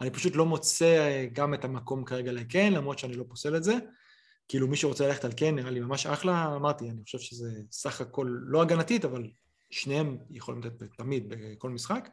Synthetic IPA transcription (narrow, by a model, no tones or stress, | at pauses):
anipaʃutlo̞mo̞t͡se̞ɡametamako̞mkaʁe̞ɡaleke̞nlamʁo̞t̪t͡ʃeanilo̞pose̞letze | kiiːlumiʃeʁo̞t͡selaleχe̞talkenːiʁalimamaʃa̰χlaːmaʁtianiχoʃe̞v̥ʃeze̞saχako̞lːo̞aɡanatitaval | ʃnehemjeχolḭmlat̪et̪̚betamid̪̚beko̞lmisχak